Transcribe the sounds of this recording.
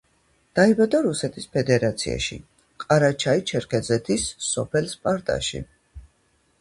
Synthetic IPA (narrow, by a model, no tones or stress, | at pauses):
d̪̥aibad̪aɾusɛt̪ʰispʰɛd̪ɛɾat̪sʰḭa̰ʃḭ | qʼaɾat͡ʃʰait͡ʃʰɛɾkʰɛd̪zɛt̪ʰisːɔpʰɛlspʼaɾt̪ʼa̰ʃḭ